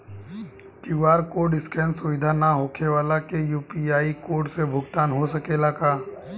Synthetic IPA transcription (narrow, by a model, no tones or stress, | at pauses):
kɪʋaːɾkoɖɪskɛːnsʊʋɪd̪ʱanaɦoːkʰeʋaːlakejuːpiaːikoːɾɖsebʱʊɡt̪aːnɦosəkeːlakaː